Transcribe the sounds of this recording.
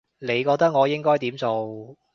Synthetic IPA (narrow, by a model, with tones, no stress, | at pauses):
le˨˧jkɔː˧k̚t̪ɐ˥k̚ŋɔː˨˧jɪ˥ŋkɔː˥jt̪iː˨˥mt͡so˨w